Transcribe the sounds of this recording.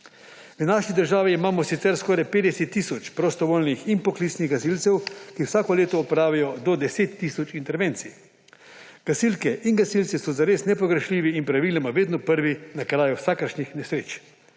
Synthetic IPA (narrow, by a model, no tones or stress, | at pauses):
ʋənaːʃid̪əɾʒaːʋiːmaːmɔsit̪sɛɾskɔːɾajpeːd̪ɛsɛt̪ːisɔt͡ʃpɾɔst̪ɔʋoːlnixinpɔkliːt̪sniɣɡasilt̪sɛwkiwsaːkɔleːt̪ɔːpɾaːʋijɔd̪ɔd̪ɛseːt̪ːisɔt͡ʃint̪ɛɾʋeːnsi | ɡ̥asilkɛʔinɡasilt̪sisɔzaɾeːsnɛpɔɡɾɛʃliːʋiinpɾaʋiːlɛmaʋeːd̪nɔpəɾʋinakɾaːjuwsaːkəɾʃɲixnɛsɾeːt͡ʃ